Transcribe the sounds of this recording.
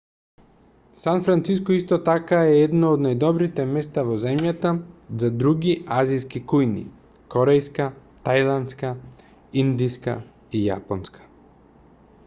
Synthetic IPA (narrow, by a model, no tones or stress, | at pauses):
sanfɾant̪siskɔist̪ɔt̪akaɛɛd̪naod̪najd̪ɔbɾit̪ɛmɛst̪avɔzɛmjat̪azad̪ɾuɡiaziskikujnḭ | kɔɾɛjskat̪ajlˠant̪ska | ind̪iska̰ | ija̰pɔnskʰḁ